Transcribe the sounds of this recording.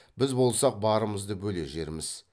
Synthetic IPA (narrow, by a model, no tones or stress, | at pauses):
bɪzbo̞lˠsɑq̚bɑɾəməzd̪əbɵle̞̰ʒe̞ɾɪmɪz̥